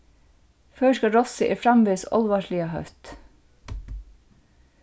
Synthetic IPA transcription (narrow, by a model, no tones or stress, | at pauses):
føːʃkɑɹɔsəʔḭːfɾɑmʋeːsɔ̰lʋɑːʃɭiɑhœ̰ft̪